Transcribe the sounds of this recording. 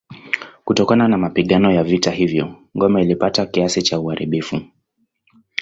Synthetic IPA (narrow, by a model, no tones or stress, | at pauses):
kutɔkananamapiɠanɔjavitahivjɔŋɡɔmɛilipatakiasit͡ʃauaɾʔiɓifu